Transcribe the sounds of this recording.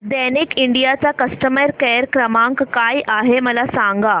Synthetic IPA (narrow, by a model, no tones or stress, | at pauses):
d̪ɛnikiɳɖijat͡sakəsʈəməɾkɛɾkɾəmãŋkkajʔaɦeməlasaŋɡa